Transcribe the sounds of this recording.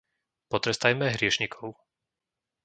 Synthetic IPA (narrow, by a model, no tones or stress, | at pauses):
pɔt̪ɾɛst̪ajmɛɦɾɪɛʃɲikʰɔʊ